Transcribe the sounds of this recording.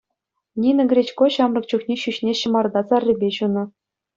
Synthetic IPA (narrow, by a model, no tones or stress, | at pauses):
nʲinɤ̆ɡʲɾʲet͡ɕkoɕɑmrɤ̆k̚t͡ɕuknʲeɕyɕnʲeɕɤ̆mɑrd̪ɑt͡sɑrʲːɘ̆bʲeɕunɤ̆